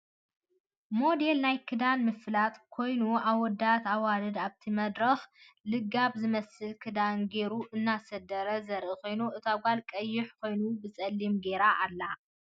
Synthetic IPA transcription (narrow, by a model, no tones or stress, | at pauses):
mo̞d̪e̞lnajkʰɨd̪anmɨflat̪ʼkʰo̞jnuaβɔd̪at̪ʰawalɨd̪aβt̪ʰimɐd̪ɾɐx | lɨɡaβzɨmɐsɨlkʰɨd̪anɡe̞ɾuʔɨnːasɐd̪ɐɾɐzɐɾʔɨko̞jnuʔɨt̪ʰaɡʷalkʼɐjːɪħkʰo̞jnubɨt͡sʼɐlːimɡe̞ɾaʔːlːa